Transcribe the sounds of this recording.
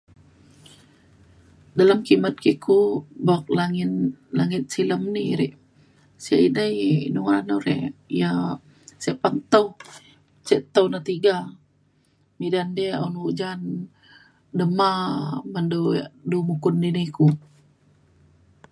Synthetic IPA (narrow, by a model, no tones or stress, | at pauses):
dalamkimat̪̚kikʰubak̚laŋinlaŋɪt̪̚siləmniɾɛʔ | sia̰inajnuŋanoɾɛ̰ʔja | seʔpant̪aw | t͡ʃɛʔt̪awnat̪iɡa | midandaonud͡ʒan | dəmaməndoadumukʊndiniku